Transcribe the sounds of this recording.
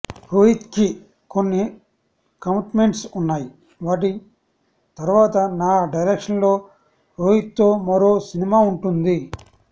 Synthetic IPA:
ɾoːjit̪ki | konːi | kɐmiʈme̞ɳʈsunːaːji | ʋaːʈ̬i | t̪ɐɾuʋaːt̪ɐnaːɖɐjɾekʂɐnlo̞ː | ɾoːjit̪ːo̞ːmɐɾo̞ːsinimaːuɳʈund̪i

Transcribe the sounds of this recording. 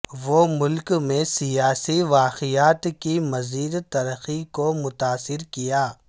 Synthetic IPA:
ʋomʊlkmẽsijaːsiʋaːqijaːt̪kimɐziːd̪t̪ɐɾəxikomʊt̪aːsɪɾkijaː

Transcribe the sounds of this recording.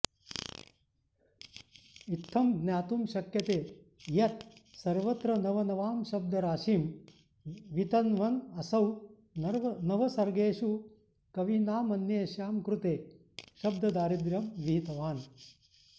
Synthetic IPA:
it̪ʰːɐmɡnjaːt̪umʃɐkjɐt̪eː | jɐt̪sɐɾʋɐt̪ɾɐnɐʋɐnɐʋaːmʃɐb̚d̪ʱɐɾaːʃiːm | ʋit̪ɐnʋɐnɐsɐw | nɐʋɐsɐɾɡeːʃu | kɐʋinaːmɐnjeːʃjaːmkɾut̪eː | ʃɐb̚d̪ʱɐd̪aːɾid̪ɾjɐmʋiɦit̪ɐʋaːn

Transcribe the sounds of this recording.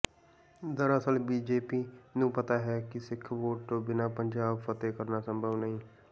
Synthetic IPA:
d̪əɾəsəlbiːd͡ʒeːpiːnũːpət̪aːɦɛːkɪsɪkʰʋoːʈːbɪnaːpəɲd͡ʒaːbfət̪eːkəɾnaːsəmbʱəʋnəɦĩː

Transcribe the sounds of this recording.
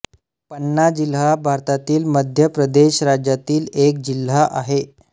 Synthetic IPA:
pənːad͡ʑilɦabʱaɾt̪at̪iːlməd̪ʱjəpɾəd̪eɕɾad͡ʑjat̪iːlek̚d͡ʑil̤ːaʔaɦe

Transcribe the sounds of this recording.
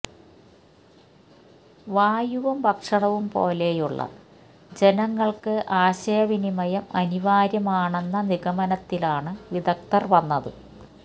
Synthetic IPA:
ʋaːjuʋɐmbɐkʂɐɳɐʋumpo̞̰ːle̞juɭːɐ̰ | d͡ʑe̞nɐŋːɐɭkɨʔaːɕɐjɐʋinimɐjɐmɐniʋaːɾjɐmaːɳe̞nːɐniɣɐmɐnɐt̪ːilaːɳɨʋid̪ɐk̚t̪ɐrʋɐnːɐðɨ̰

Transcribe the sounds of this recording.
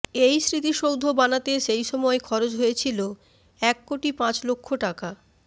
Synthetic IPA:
ejsɾit̪̬iʃowd̪ʱobanat̪eʃejʃɔmɔekʰɔɾod͡ʑɦojet͡ɕʰilo | ɛkːoʈipãt͡ɕlokʰːoʈaka

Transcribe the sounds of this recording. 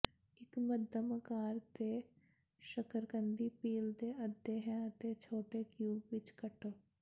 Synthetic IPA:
ɪkməd̪ʱəməkaːɾt̪e | ʃəkəɾkə̃nd̪ipiːlt̪eɐd̪ːeɦɛ̃ɐt̪et͡ʃʰoːʈekjuːɡʋɪt͡ʃkəʈə

